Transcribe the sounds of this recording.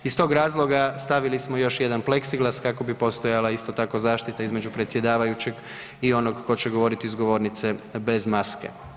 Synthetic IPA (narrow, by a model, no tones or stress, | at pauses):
ist̪o̞ːɡɾaːzlˠo̞ɡast̪aʋilismojo̞ʃje̞d̪anple̞ksiɡlaskako̞bipo̞st̪o̞jalaist̪o̞t̪ako̞zaːʃt̪it̪aizme̞d͡ʒupɾe̞t̪sjed̪aːʋajut͡ɕe̞ɡ | io̞noɡko̞t͡ɕeɡo̞ʋo̞ɾit̪iizɡo̞ʋo̞ɾnit̪se̞be̞zmaskḛ